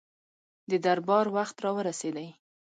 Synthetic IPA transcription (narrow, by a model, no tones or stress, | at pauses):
d̪əd̪aɾbɑɾwaxt̪ɾɑwəɾased̪aj